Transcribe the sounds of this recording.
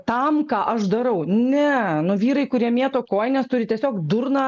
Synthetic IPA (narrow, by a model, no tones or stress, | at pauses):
t̪ɐmkɑːʔɐʃd̪ɐɾɐʊnʲɛnʊʋʲiːɾɐɪkʊɾʲiɛmʲiɛt̪oːkoːjnʲɛst̪ʊɾʲɪt̪ʲiɛsʲoːkd̪ʊɾnɑː